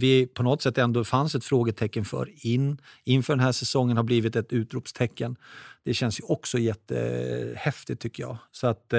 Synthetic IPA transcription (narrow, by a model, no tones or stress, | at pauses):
vɪpʰɔnɔt̪sɛt̪ːɛnd̪oːfansɛt̪fɾoːɡət̪ʰɛkːənfœ̰ːɾɪnɪnːfœːɖɛnɦæːʂɛsɔŋːənhabliːvɪt̪ɛt̪ʉ̟ːt̪ɾuːpst̪ʰɛkːənd̪̥ɛɕɛnsjɵʔɔksɔjɛt̪ːə̰hɛft̪ɪt̪ʰːʏkːəjɑ̰ːsɔat̪